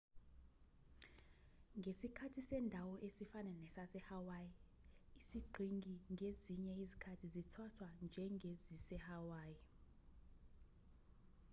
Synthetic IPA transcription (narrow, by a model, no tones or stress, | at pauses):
ŋɡʱesikʰatʰisɛndʱawɔʔesifanɛnɛsasɛhawaji | isiɡ͡ǃʱiŋɡʱiŋɡʱeziɲɛizikʰatʰizitʰatʰwand͡ʒʱɛŋɡʱezisɛhawaːji